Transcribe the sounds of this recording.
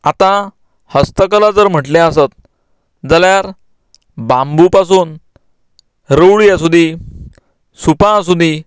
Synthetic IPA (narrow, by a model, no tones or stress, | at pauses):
at̪ã | həst̪əkəlad͡zəɾm̤əʈlãəsət̪̚ | d͡zaljaɾ | bãmbupasuːn | ɾəwɭijas̬ud̪ʱi | supãs̬ud̪ʱi